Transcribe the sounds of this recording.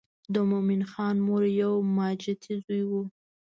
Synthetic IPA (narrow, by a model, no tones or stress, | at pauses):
d̪əmominxɑnmoɾjawmɑd͡ʒat̪ʰizujwu